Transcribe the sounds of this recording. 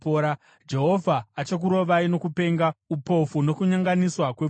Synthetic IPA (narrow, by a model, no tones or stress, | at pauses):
oɾa | d͡ʒe̞ɦo̞vʱaːt͡ʃak̬uɾo̞ʋaino̞kupe̞ːŋɡaupo̞funo̞kuɲaŋɡaniswakwe